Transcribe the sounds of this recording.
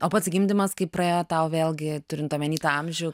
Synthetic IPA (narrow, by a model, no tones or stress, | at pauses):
oːpɐt̪sʲɡʲimʲd̪ʲɪmɐskɐɪppɾɐeːjot̪ɐʊʋʲeːlˠʲɡʲɪt̪ʊɾʲɪnt̪oːmʲɛnʲiːt̪uɐmʲʒʲʊ